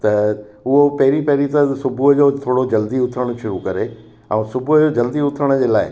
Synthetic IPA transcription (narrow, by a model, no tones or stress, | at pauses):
t̪ɐʊɦopɐɦɪɾipɐɦɪɾit̪ɐsʊbʱuɦəd͡ʑoːt̪ʰoːɽod͡ʑɐld̪iʊt̪ʰɾəɽ̃̆ʃʊɾukɐɾe | ɛ̰̃ːsʊbʱʊɦəd͡ʑoːd͡ʑɐld̪iʊt̪ʰɾəɽ̃ə̆d͡ʑeːlaːɪ